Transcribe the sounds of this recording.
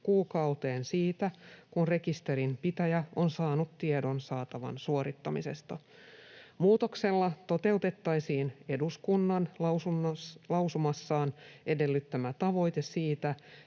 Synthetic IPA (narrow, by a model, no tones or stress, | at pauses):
kuːkɑut̪e̞ːnsiːt̪ækunre̞kist̪e̞ɾimpit̪æjæonsɑːnut̪tiedo̞nsɑːt̪ɑʋɑ̰nsuo̞ɾit̪ːɑmise̞̰st̪ɑ̰ | muːt̪o̞kse̞lːɑt̪o̞t̪e̞ut̪e̞t̪ːɑjsiːne̞duskunːɑnlɑsulɑwsumɑsːɑːnʔe̞de̞lːyt̪ːæmæt̪ɑʋo̞jt̪esiːt̪æ